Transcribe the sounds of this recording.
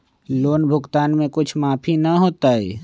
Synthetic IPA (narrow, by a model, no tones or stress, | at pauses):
loːnbʱʊɡt̪aːnmẽkʊt͡ʃʰmaːpʰinɐɦoːt̪aɦɛ̰ː